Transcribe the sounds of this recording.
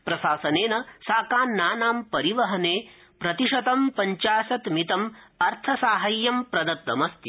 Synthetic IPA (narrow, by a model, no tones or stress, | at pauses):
pɾɐʃaːsɐneːnɐsaːkaːnːaːnaːmpɐɾiʋɐɦɐneː | pɾɐt̪iʂɐt̪ɐmpɐɲt͡ʃaːsɐt̪mit̪ɐmɐɾt̪ʰɐsaːɦɐjːɐmpɾɐd̪ɐt̪ʋɐ̰mɐst̪i